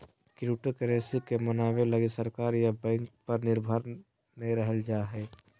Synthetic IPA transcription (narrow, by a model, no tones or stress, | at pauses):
kɾuːʈokəɾeːsikemənaːʋeləɡisəɾkaːɾjabɛ̃ːŋk̚pɐɾnɪɾbʱəɾ | nɐɦĩɾəɦəld͡ʒaːɦɛː